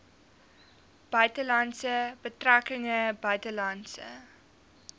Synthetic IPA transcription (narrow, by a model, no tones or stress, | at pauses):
b̥œɥtəlɐnsəb̥ətrækəŋəbœɥtəlɐnsə̰